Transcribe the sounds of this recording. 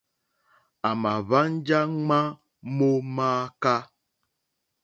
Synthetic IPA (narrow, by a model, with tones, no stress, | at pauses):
a˨ma˨βa˦n˦d͡ʒa˦ŋ͡ma˦ | mo˦maː˦ka˦